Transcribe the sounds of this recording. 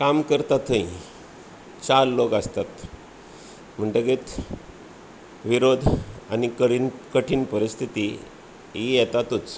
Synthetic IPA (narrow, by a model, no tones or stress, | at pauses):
kamkəɾt̪at̪ʰə̃ĩ | t͡ɕaɾlokəst̪at̪ | m̤əɳʈəɡet̪ | ʋiɾod̪ʱa̰nikəinkəʈʰiːnpəɾist̪ʰit̪i | ɦijɛt̪at̪ut͡s